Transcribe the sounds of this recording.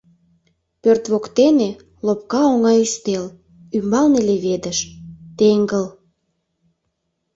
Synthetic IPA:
pørt̪βokt̪ene | lop̚kɑoŋɑjyst̪el | ymbɑlneleβed̪əʃt̪eŋɡəl

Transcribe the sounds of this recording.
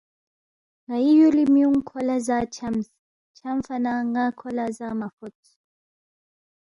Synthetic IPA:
ŋɡaijɔlimiuŋ̩kʰɔlazat͡ʃʰams | t͡ʃʰamfanaŋɡakʰɔlazamafɔtʰ

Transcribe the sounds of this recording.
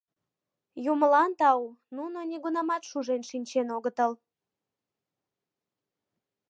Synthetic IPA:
juməlɑnt̪ɑununonʲeɣunɑmɑt̪ʃuʒenʃinʲt͡ɕenoɣət̪əl

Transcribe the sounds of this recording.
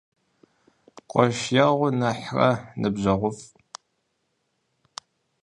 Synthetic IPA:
qʷʼɔʃjaʁʷʊnɐħrɐ̰nɨbʑɐʁʷʊf

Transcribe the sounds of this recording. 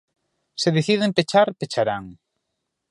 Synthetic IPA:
seðeθiðempet͡ʃaɾpet͡ʃaɾaŋ

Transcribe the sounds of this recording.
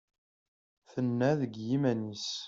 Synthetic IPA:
θənːæðəɡjimænis

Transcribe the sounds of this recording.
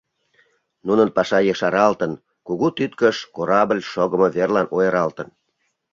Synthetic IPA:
nunənpɑʃɑjəʃɑɾɑlt̪ən | kuɣut̪yt̪kəʃkoɾɑblʲʃoɣə̆mɤβerlɑnojɤɾɑlt̪ən

